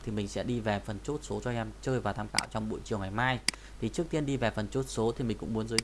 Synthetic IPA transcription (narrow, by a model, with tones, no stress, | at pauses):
t̪ʰi˨˩mï˨˩ŋ̟sɛ̰˧˥ɗi˧vɛ˨˩fə˨˩nt͡ɕo˦˥t̚so˨˦zɔ˧ʔɛ˧mt͡ɕəː˧jvaː˨˩t̪ʰaː˧mxa̰ː˧˨wt͡ɕɔ˧wŋ͡mɓṵ˧˨jt͡ɕi˨˩əwŋa˨˩jmaː˧j | t̪ʰi˨˩t͡ɕɨ˦˥ək̚t̪i˧ənɗi˧vɛ˨˩fə˨˩nt͡ɕo˦˥t̚so˨˦t̪i˨˩mi˨˩ŋ̟kʊ̰˧˥ŋ͡mmu˨˦ənzəː˨˦